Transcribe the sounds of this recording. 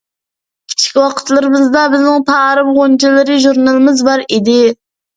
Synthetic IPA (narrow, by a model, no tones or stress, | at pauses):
kʲʰi̥t͡ʃʰi̥kʲwɑqʰə̥t̪lˠɨɾɨmɨzd̪ɑbɪznɪŋtʰɑɾɨbʁont͡ʃʰilˠɨɾɨʒuɾnɑlˠɨmɨzbɑɾid̪ɪ